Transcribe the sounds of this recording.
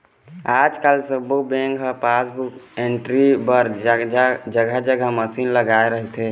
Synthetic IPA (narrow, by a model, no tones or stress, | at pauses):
aːd͡ʒkalsəbobẽŋɡɦəpasbukeɳʈɾibəɾ | d͡ʒəɡad͡ʒəɡaməsinləɡaeɾəɦt̪e